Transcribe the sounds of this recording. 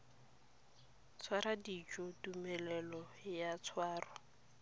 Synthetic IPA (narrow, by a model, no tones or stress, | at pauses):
t͡sʰwaɾadit͡ʃʼɔdumɛlɛlɔjat͡sʰwaːrʊ